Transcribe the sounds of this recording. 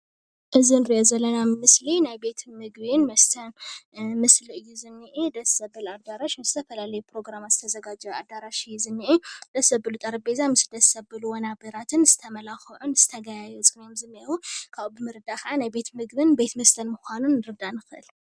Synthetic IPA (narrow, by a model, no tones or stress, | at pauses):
ʔɨzinɨɾiʔozɐlːɐnammɨslinajbe̞t̪mɨɡβinmɐst̪ʰɐnmɨsliɨjːuzɨnːɨʔid̪ɐsɐbɨlad̪aɾaʃmɨzɨt̪ʰɐfɐlalɐjupɾo̞ɡɾamazɨt̪ʰɐzɐɡad͡ʒɐwa̰d̪aɾaʃɨjːuzɨnːɨʔid̪ɐsɐbɨlut̪ʼɐɾɐbezamɨsd̪ɐsɐbɨluwɔnabɐɾat̪ʰɨnz̥ɨt̪ʰɐmɐlaxɨʕunz̥ɨt̪ʰɐɡajajot͡sʼɨɡnomzɨnːiwukʰaβubɨmɨɾɨd̪akʰɐʔanajbe̞t̪mɨɡbɨnbe̞t̪mɐst̪ʰɐnmuxʷanunːɨɾɨd̪anɨxɨʔɨ̰l